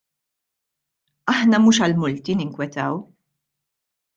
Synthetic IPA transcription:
ɐħnɐmuːʃɐlmʊlt̪inɪŋkwɛt̪ɐw

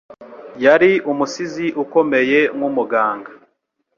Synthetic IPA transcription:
jaɾiumusiziʔuko̞me̞je̞mwumuɡaːŋɡa

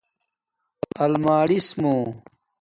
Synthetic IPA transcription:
ɐlmaːɽismõː

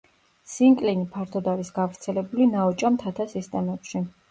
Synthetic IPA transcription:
siŋkʼlinipʰaɾt̪ʰɔd̪aɾisɡavɾt̪sʰɛlɛbulinaɔt͡ʃʼamt̪ʰat̪ʰasist̪ʼɛmɛpʃi

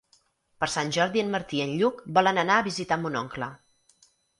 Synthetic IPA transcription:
pəɾsanʲʒɔɾðiənməɾt̪iənʎukbɔlənənaəβizit̪ambunɔŋklə

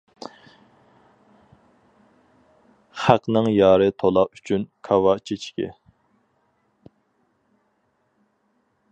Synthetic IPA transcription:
χæqnɨŋjɑːɾɨt̪ʰolˠɑpyt͡ʃʰynkʰɑwɑt͡ʃʰet͡ʃkʲɪ̰

